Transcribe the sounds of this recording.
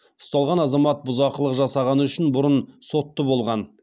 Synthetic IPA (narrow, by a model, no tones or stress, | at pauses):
ʊ̥st̪ɑlˠʁɑnɑzɑmɑt̪̚bʊzɑqəlˠəqʒɑsɑʁɑnəʏʃɪnbʊɾənso̞t̪ːəbo̞lˠʁɑn